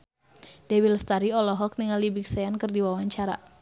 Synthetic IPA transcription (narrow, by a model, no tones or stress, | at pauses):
dɛwilst̪aɾiɔlɔɦɔk̚niŋalibik̚sajankɨrdiwawaɲt͡ʃaɾa̰